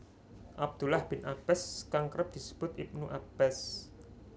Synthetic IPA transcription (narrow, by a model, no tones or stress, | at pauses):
ʔab̚d̪̥ulahb̥ɪnʔab̥ɛskaŋkəɾəp̚d̪̥i̤sə̥b̥ʊt̪̚ip̚nuʔab̥ɛs